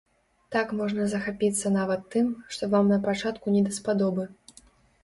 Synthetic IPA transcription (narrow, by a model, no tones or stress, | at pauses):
t̪akmɔʐnɐzɐxapʲit̪sːɐnavɐt̪ːɨmʂt̪ɔvamnɐpat͡ʂat̪kunʲɛd̪ɐspad̪ɔbɨ